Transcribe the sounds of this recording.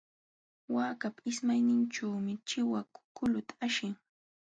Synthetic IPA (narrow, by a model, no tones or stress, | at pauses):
waːkapaɪsmajnɪnt͡ʃawmɪt͡ʃɪwakʊ̥kʊlʊt̪aaʃɪŋ